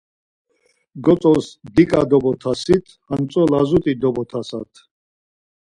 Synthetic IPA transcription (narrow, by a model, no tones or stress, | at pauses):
ɡɔt͡sʼɔsd̪ikʼad̪ɔbɔt̪ʰasit̪ʰhant͡sʼɔlazut̪ʼid̪ɔbɔt̪ʰasa̰t̪ʰ